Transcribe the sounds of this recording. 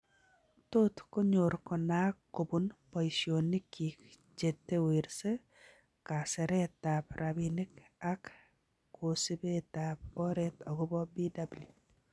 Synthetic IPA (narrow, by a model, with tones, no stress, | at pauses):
tot̪ko˦ɲo˨ɾkɔ˨na˦kːo˨bunpɔ˨isjonːi˦ki˨k | d͡ʒe˨tːe˦we˨ɾse | ka˨sɛ˨ɾɛ˦tapɾʔabini˦ka˦kː | osi˦betap̚o˦ɾɛtɔ˨ɡʊ˦bɔ˦bidablju˨